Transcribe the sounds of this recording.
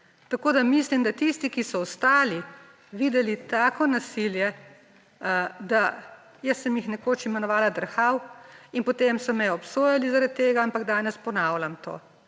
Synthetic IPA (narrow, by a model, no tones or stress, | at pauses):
t̪akoːd̪amislimd̪at̪ist̪ikisɔɔst̪aːli | ʋiːd̪ɛlit̪aːkɔnasiljɛ | d̪a | jəsːəmjixnɛkoːt͡ʃimɛnɔʋaːlad̪əɾxawinpɔt̪emsɔmɛjɛɔpsoːjalizaɾat̪ːeːɡaampaɡd̪aːnɛspɔnaːwlʲamt̪o̰ː